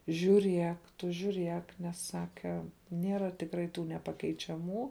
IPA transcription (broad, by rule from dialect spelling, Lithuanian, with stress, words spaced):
ʒʲuːˈrʲiɛk ˈtʊ ʒʲuːˈrʲiɛk ˈnʲɛs ˈsɑːkʲɛ ˈnʲiɛrɐ tʲɪkˈrɐɪ ˈtuː nʲɛpɐkʲɛɪt͡ʃʲɛˈmuː